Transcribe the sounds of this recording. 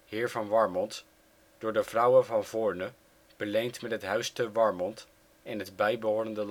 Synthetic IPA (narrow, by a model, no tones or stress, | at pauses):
hɪːɹvɑnʋɑɹmɔnt | d̥ʊːɹdəvrʌwənvɑnvʊːɹnə | b̥əlejntmɛtɦətɦœɥstəʋɑɹmɔnt | ɪnɦədbɛjbəɦʊːɾəndəl